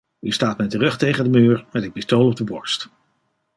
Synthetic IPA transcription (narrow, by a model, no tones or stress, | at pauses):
ystaːtmɛjtərɵχtejχəndəmyːɹmɛtɪk̚pistowlɔb̚dəbɔɹst